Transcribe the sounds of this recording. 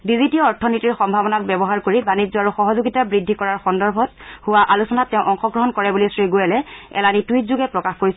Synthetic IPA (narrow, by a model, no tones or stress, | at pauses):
bizitiɔɔɹtʰɔnitiɹxɔmbʱabɔnakbɛbɔɦaɹkoɹibanid͡ʑzɔaɹuxɔɦɔzuɡitabɹidʱːikɔɹaɹxɔndɔɹbʱɔt̚hʊwaʔalusɔnatːɛʊ̃ʔɔŋxɔɡɹɔɦɔnkɔɹɛbulistɹiɡojɛlɛɛ̰lanituit̚zuɡɛpɹɔkaxkoɹisɛ